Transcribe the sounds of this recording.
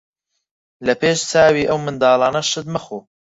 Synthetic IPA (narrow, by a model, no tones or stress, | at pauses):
lɐpʰeːʃt͡saːwiːʔɐwmɨnd̪aɑːlˠɑːnɐʃɨd̪mɐxoː